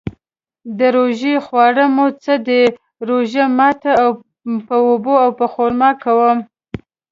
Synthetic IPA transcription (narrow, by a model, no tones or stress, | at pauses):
d̪əɾoʒexwɑɽəmot͡səd̪e | ɾoʒamɑt̪aːw | pəoboawpəxoɾmɑkawəm